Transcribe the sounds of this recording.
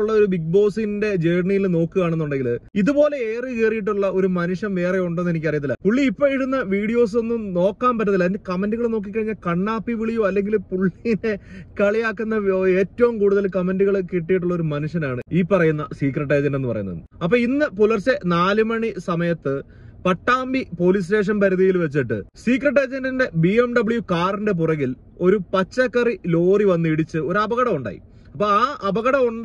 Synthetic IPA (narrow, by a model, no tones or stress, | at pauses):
ɭːɐo̞ɾubik̚bo̞ːsinnde̞d͡ʑeːrɳijilno̞ːkːɨɣaːɳe̞nːuɳɖe̞ŋɡiliðupo̞ːle̞eːrɨkeːrijiʈ̬ːuɭːɐʔo̞ɾumɐnuʂjɐmʋe̞ːreuɳɖenːe̞nik̬ʲːɐrijɐt̪̬ːilːɐ̰puɭːiːpːoːiɽunːɐʋiːɽijo̞ːs̬o̞nːumno̞ːkːaːmpɐt̬ːɐðilːɐnkɐmenduɣɐɭno̞ːk̬ːikːɐɻiɲːaːlkɐɳːaːpːiʋiɭijoɐlːe̞ŋɡilpuɭːijinekɐɭijaːkːunːɐeːtːɐʋumkuːɽuðɐlkɐmenduɣɐɭkiʈːijiʈ̬ːuɭːɐo̞ɾumɐnuʂɐnaːɳɨiːpːɐrɐjunːɐsiːkrɐʈ̬ːɐjd͡ʑɐndenːɨpɐrɐjunːɐ̰ðɨɐpːoːinːɨpulɐrsenaːlumɐɳisɐmɐjɐt̪ːɨ | pɐʈːaːmbipo̞lis̬te̞ːʂ̬ɐnpɐɾuðijilʋet͡ɕːiʈːɨ̰siːkrɐʈ̬ːɐjd͡ʑɐndinde̞biːemɖɐbɭjukaːrinde̞p̬urɐɣil | o̞ɾupɐt͡ɕːɐkːɐrilo̞ːriʋɐnːɨiɽit͡ɕːɨo̞ɾuɐbɐɣɐɽɐmuɳɖa̰ːjḭ | ɐpːoːaːʔɐbɐɣɐɽɐuɳ